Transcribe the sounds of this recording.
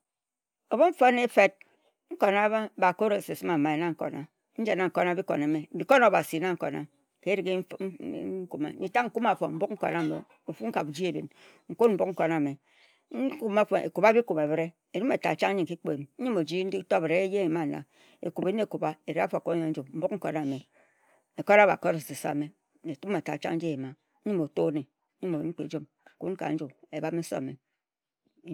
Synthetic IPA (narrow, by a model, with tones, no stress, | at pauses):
o˨bo˦ɱ̩˦fo˦ne˦fe˨t̚ | ŋ̩˦ko˨na˦ba˦ba˨ko˦ɾe˨se˨si˦ma˨ma˨e˨na˦ŋ̩˦ko̰˨na˨ | n̩˦d͡ʒa˨na˨ŋ̩˨ko˨na˨˦bi˦ko̰˨na˨˦me˨bi˨ko˦no˨ba˨si˨na˦ŋ̩˦ko̰˨na̰˨ | ke˦ɾi˨ɡe˦ku˦ma̰˨ni˨ta˦ŋŋ̩˦ku˦ma˨fo˨m̩˦bu˦k̚ŋ̩˦ko̰˨na˦˨mḛ˨ | o˨fu˦ŋ̩˦ka˨bu˨d͡ʒi˦e˨bi˨n | ŋ̩˨ko˦m̩˦bu˦k̚ŋ̩˦ko˨na˨me˨˦ | ku˦ma˦fḛ˨ku˨ba˦bi˦ku˨be˨bɾe˦ | e˨ɾu˦me˨ta˨t͡ʃa˦ŋ˦ɲi˦ŋ˨ki˦k͡pe˨n̩˨˦ɲi˦mo˨d͡ʒi˦n̩˦i˦to˦˨bɾe˨e˦je˦e˨ma˦˨na̰˨ | ḛ˨ku˨be˦n˦e˦˨ku˨ba˦e˨ɾe˦a˦fo˨ko˦ɲa˨n̩˦d͡ʒu˨m̩˦bu˦kŋ̩˦ko˨na˨me˨ | e˨ko˦ɾa˦ba̰˨ko˦ɾe˨si˨sa̰˨me˦ | ne˨tu˦m˦e˨ta̰˨t͡ʃa˦n̩˦d͡ʒi˦e˨ma˨˦ | ɲi˦mo˨to˦ne˨˦ | ɲu˦mo˨ḭ˨˦ŋ͡m̩˦k͡pḛ˨d͡ʒo˦m˨ | ku˦nŋ˦ka̰˨˦n̩˦d͡ʒu˨e˨ba˦me˦so̰˦˨me˨